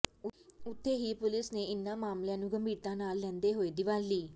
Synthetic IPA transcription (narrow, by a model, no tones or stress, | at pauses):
ʊt̪ʰːeːɦiːpʊlɪsneːɪnːãːmaːmljãːnũːɡəmbiːɾt̪ãːnaːlːɛ̃ːnd̪eːɦoːeːd̪ɪʋaːlliː